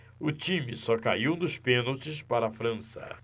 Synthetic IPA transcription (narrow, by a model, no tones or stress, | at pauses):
ʊt͡ʃĩmɪsɔka̰iwnʊspẽnɐwt͡ʃɪspaɾɐafɾɐ̃sɐ̰